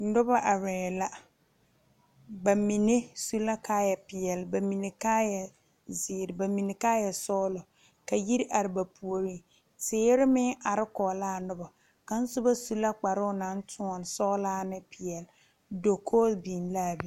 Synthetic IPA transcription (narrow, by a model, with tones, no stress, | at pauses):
n̩˦dʊ˦ba˦ʔa˨ɾɛː˨ɛ˨la˦ | ba˨mi˨ne˦su˦la˦kaː˦jɛ˨pɪ˨jɛ˨lba˨mi˨ne˨kaː˦jɛ˨ | zɪː˨ɾɪ˨ba˨mi˨ne˨kaː˦jɛ˨sɔː˦lɔ˨ | ka˨ji˦ɾʔa˨ɾɪ˨ba˨pʰu˨o˨ɾiː˦ | sɪː˦ɪ˦ɾɪ˦mɪ˦ʔa˨ɾɪ˦kɔː˨laː˦˨nʊ˦ba˨ | ka˨n̩˦sʊ˦ba˦su˦la˦k͡pa˨ɾʊ˦ʊ˦na˨˦n˦tʰʊ˦ɔ˨n˨sɔː˦laː˦nɪ˦pʰɪ˨jɛ˨l | do˨kʰoː˦bi˨n˦la˦˨bi˦